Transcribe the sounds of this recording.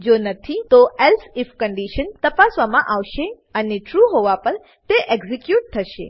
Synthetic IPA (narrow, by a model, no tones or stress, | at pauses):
d͡ʒonət̪ʰit̪oɛlsɪfkəɳɖiʃənt̪əpasʋamãʔaʋʃe | əneʈɾuɦoʋapəɾ | t̪eʔeɡzikjuʈ̚t̪ʰəʃḛ